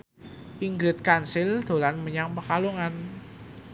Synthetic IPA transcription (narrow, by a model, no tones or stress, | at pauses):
ʔiŋɡɾɪt̪̚kansɪld̪̥o̤lanməɲaŋpəkaluŋan